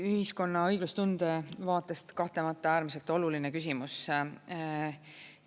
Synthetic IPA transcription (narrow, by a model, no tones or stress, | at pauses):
yhisko̞nːɑɤjɡ̥lust̪und̪̥e̞vɑːt̪ːˑe̞st̪kɑht̪e̞mɑt̪ːˑɑæːɾmise̞lt̪ˑo̞lulinekys̬ʲimus